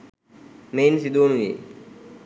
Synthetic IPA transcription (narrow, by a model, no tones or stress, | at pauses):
meːnsɪd̪ʱoːnuḛː